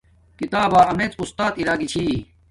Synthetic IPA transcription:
kit̪aːbaːɐmeːt͡sust̪aːt̪iɾaːɡit͡ɕʰiː

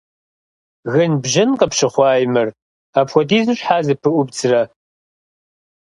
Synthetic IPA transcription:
ɣɨnbʒɪnqɐpʃɨχʷɑːjmɨr | aːpxʷɔdiːzɨɕʷħaːzɨpʰɨʔʷʊbt͡sʰrɐ

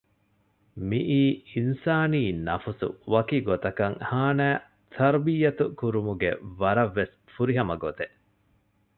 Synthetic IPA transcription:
miʔiːinsaːniːnɐfusṵʋɐkiɡot̪ɐkɐŋhaːnæː | t̪ʰɐɾbijɐt̪ukuɾumuɡḛʋɐɾɐʋːes | fuɾiɦɐmɐɡot̪e

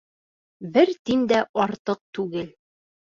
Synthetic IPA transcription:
bɘɾt̪ind̪æʔɒɾt̪ɤq̚t̪ʉɡɘl

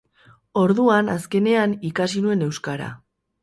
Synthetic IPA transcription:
o̞ɾðuanaske̞ne̞anikasinue̞ne̞wskaɾa̰

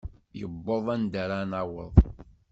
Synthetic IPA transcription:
jəbːoðˤænd̪aɾanawəðˤ

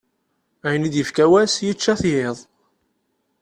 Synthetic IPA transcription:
æjənid̪jəfkæwæsjit͡ʃːæθjɪðˤ

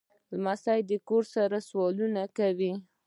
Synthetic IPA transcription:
lmasajd̪əkoɾsaɾaswɑlunakawi

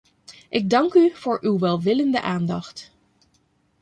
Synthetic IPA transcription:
ʔɪɡ̚dɑŋkyv̥ʊːɹʔywʋɛlˠʋɪləndəʔaːndɑχt

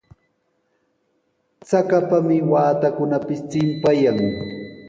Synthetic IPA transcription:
t͡sakapamɪwaːt̪akʊnapɪst͡sɪmpajaŋ

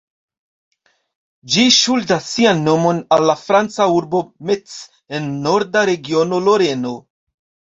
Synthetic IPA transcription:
d͡ʒiʃuldasːianːo̞mo̞nalːafɾant͡sauɾbo̞mett͡s | e̞nːo̞ɾdaɾe̞ɡio̞no̞lo̞ɾe̞no̞

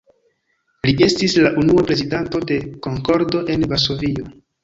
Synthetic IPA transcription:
liʔe̞stislaʔunuapɾe̞zidanto̞de̞ko̞ŋko̞ɾdo̞ʔe̞nvaɾso̞vio̞

